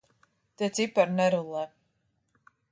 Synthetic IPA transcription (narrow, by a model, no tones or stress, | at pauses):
t̪ɛt̪sipaɾnɛɾulˠɛ